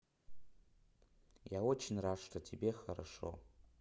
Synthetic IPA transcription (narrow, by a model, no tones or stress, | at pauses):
jawot͡ʃʰnraʂtʰatʰibe̞χaɾa̰ʂo̞̰